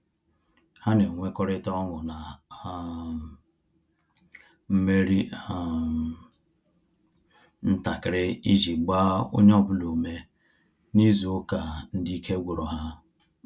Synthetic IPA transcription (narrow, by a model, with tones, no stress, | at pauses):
ha˦ne˨ŋʷe˦kɔ˦ɾɪ˦ta˦ɔ˦ŋʊ˨na˨ | m̩˦me˦ɾi˦a˦˨ | n̩˦ta˨kɪ˨ɾɪ˦i˦d͡ʒi˨ɡ͡ba˦o̰˦ɲe˦ɔ˦˨bʊ˦lo˨me˦ | ni˦zu˨o˦ka˨n̩˦dɪ˦i˦kʰe˦ɡʷu˨ɾɔ˨ɦa˦